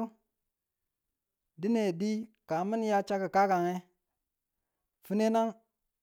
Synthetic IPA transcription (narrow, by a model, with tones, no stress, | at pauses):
di˦ne˨di˦ka˨mi˦n˦ja˦t͡ʃa˦ki˨ka˦ka˨ŋe˦ | fi˦ne˦na˦ŋ